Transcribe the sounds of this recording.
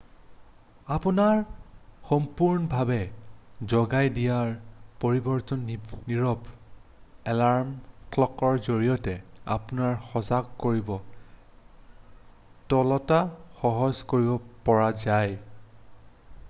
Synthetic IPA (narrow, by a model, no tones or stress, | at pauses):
apunaɹxɔmpuɹnɔbʱabɛzɔɡajdijaɹpoɹibɔɹtɔnniɹɔb | ɛlaɹmkʰlɔkɔɹzoɹijɔtɛa̰punaɹxɔzaɡkoɹibɔ | tɔlɔtaxɔɦɔzkoɹibɔpɔɹazaj